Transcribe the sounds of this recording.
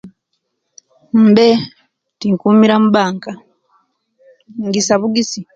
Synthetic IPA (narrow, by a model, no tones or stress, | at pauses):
m̩be | tiŋkuːmiɾamuβaːŋka | ŋɡisaβuɡisi